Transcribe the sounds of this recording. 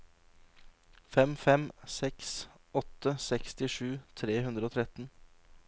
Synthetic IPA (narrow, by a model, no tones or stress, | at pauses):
fɛmfɛmsɛks | ɔt̪ːəsɛkst̪ɪʂʉːt̪ʰɾeːɦʉnd̪ɾəoːt̪ʰɾɛt̪n